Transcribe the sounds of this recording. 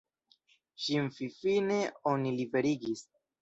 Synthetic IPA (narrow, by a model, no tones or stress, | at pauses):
ʃinfifine̞onilibe̞ɾiɡis